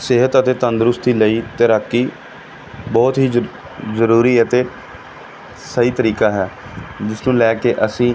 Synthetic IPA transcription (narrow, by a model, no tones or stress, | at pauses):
sɪɦət̪ət̪eːt̪ə̃nd̪ɾʊst̪iːləiːt̪eɾəkːiː | bɔːt̪ɦiː | zəɾuːɾiːət̪eː | səiːt̪əɾiːkaːɦɛːd͡ʒɪsnũːlɛːkeːʔəsĩː